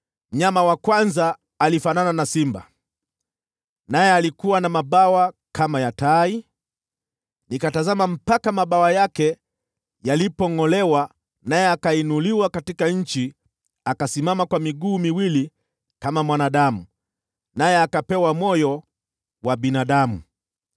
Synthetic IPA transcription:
m̩ɲamawakwanzaː | lifanananasimba̰ | najɛalikuwanamaɓawakʰamajatai | nikatazamam̩pakamaɓawajakɛ | jalipɔŋɔlɛwa | najɛakainuliwakatikaɲ̩t͡ʃi | akasimamakwamiɠuːmiwili | kamamwanaɗamu | najɛakapɛwamɔjɔ | waɓinaɗamu

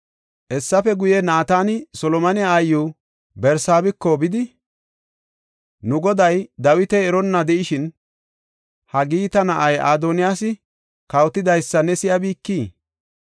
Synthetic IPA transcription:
ʔɛsːɐfɛɡʊjɛnaːt̪aːnɪsɔlɔmɐnɪjaːjːu | bɛɾsaːbɪkːɔbɪd̪ɪ | nʊɡɔd̪ɐjd̪ɐwɪt̪ɛɛɾɔnːɐd̪ɛʔɪʃɪn | hɐɡiːt̪ɐnɐʔɐjʔaːd̪onɪjaːsɪ | kɐwt̪ːɪd̪ɐjsːɐnɛsɪjɐbiːkːiː

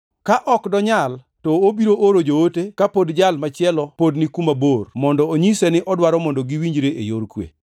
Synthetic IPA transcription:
kaʔɔkdɔɲal | tɔobiɾoʔoɾod͡ʒootekapodd͡ʒalmat͡ʃɪɛlɔpodnikumabormɔndɔoɲisenɪʔɔdwaɾɔmɔndɔɡiwiɲd͡ʒɾeʔḛjoɾkwḛ

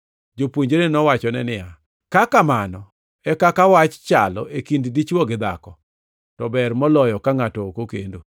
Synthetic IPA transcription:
d͡ʒopwoɲd͡ʒeɾenɔwat͡ʃɔnɛnɪja | kakamanɔ | ɛkakawat͡ʃt͡ʃalɔ̰ʔekinddit͡ʃwɔɡɪd̪a̰kɔ | tɔbɛrmɔlɔjɔkaŋatɔokokḛndo

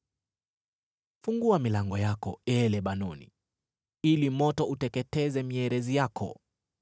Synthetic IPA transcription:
fuŋɡuamilaŋɡɔjakɔɛlɛɓanɔnḭ | ilimɔtɔutɛkɛtɛzɛmiɛɾɛzijakʰɔ̰

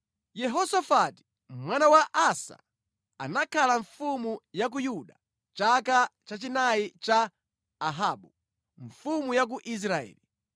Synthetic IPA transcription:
jɛɦɔsafati̥ | mwanawaʔasa̰ | anakʰalaɱfumujak̬ujuɗa | t͡ʃakat͡ʃat͡ʃinajit͡ʃaː | ɦaːɓu | ɱfumujak̬uʔis̬ɾaɛ̰ːli

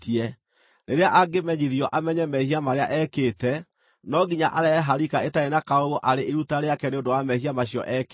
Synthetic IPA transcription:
tiɛ | ɾeɾeaʔaɡemɛɲiðjɔʔamɛɲɛmɛhiamaɾeaʔɛketɛ | nɔɡiɲaʔaɾɛːɦaɾikaetaenakaoɣoʔaɾeʔeɾutaɾeakɛneondowamɛhiamaɕjɔ̰ʔɛk

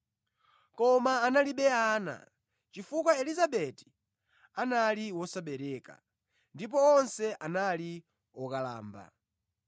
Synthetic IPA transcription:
kɔmaːnaliɓɛaːna̰ | t͡ʃifukwaɛlizaɓɛti̥ | analiwɔsaɓɛɾɛka̰ | ndip̬ɔɔnsɛʔanali | wɔkala̰ːmba̰

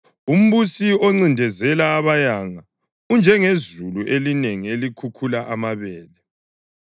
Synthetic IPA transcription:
um̩βusiɔŋ͡ǀindʱɛzɛlaːβajaŋa | und͡ʒʱɛŋezuluʔelineŋielikʰukʰulaʔamaβɛːlɛ

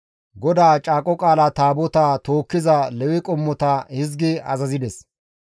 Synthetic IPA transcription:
ɡɔd̪aːt͡ʃʼaːkʼɔkʼaːlaːt̪aːbɔt̪at̪oːkːɪzɐlɛwɪkʼɔmːɔt̪ahɪzɡɪɐ̰zɐzɪd̪ɛs

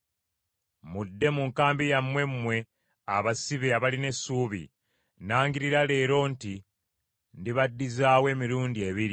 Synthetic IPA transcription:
mudːe̞muŋkaːmbijamwe̞mːwe̞ | aβasiβeaβaline̞suːβḭ | naːŋɡiɾiɾale̞ːɾo̞nti | ndiβadːizaːwe̞ːmiɾuːndie̞βiɾi

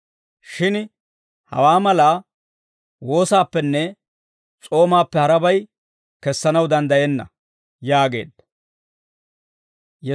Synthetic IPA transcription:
ʃɪn | hɐ̰waːmɐlaː | wo̞ːsaːpːɛnːɛ | t͡sʼo̞ːmaːpːɛhɐɾɐbɐj | kɛsːɐnɐwd̪ɐnd̪ɐjɛnːɐ̰ | jaːɡe̞̰ːd̪ɐ | jɛ

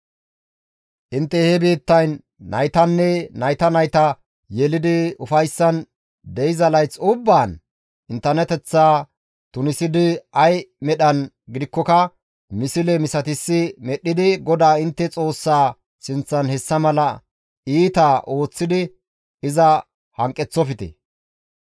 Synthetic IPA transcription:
ʔɪnt̪ːɛhɛbiːt̪ːɐjnː | ɐ̰jt̪ɐnːɛnɐjt̪ɐnɐjt̪ɐ | jɛlɪd̪ɪʊfɐjsːɐn | d̪ɛjɪzɐlɐjt͡sːʊbːaːn | ʔɪnt̪ːɐɾnɛt̪ɛt͡sːaː | t̪ʊnɪsɪd̪ɪɐjmɛɗɐn | ɡɪd̪ɪkːɔkɐ | mɪsɪlɛmɪsɐt̪ɪsːɪmɛɗːɪd̪ɪɡɔd̪aːɪnt̪ːɛt͡sʼo̞ːsːaː | sɪnt͡sːɐnhɛsːɐmɐlɐ | iːt̪aːʔo̞ːt͡sːɪd̪ɪ | ɪzɐ | hɐŋkʼːɛt͡sːɔfɪt̪ɛ̰

